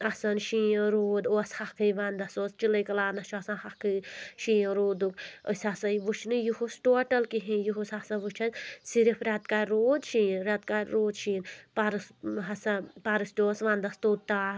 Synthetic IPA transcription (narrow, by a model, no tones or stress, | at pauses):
ɐsɐnʃĩːɾoːd̪oːshakʰɨjʋaːnd̪ɐsoːst͡ʃiləjkɐlaːnɐt͡ʃʰuɐsɐnhakɨʃiːɾoːd̪ukə̰sasɐjʋut͡ʃʰnɨjuhusʈoɐʈɐlkiɦĩjuɦusasɐ̃ʋut͡ʃʰɐnsiɾipʰɾʲat̪kaɾɾoːd̪ʃiːnɾat̪kaɾʲɾoːd̪ʃiːnpaɾɨsɦɐsɐpaɾɨstʲoːsʋãːnd̪ɐst̪oːt̪aː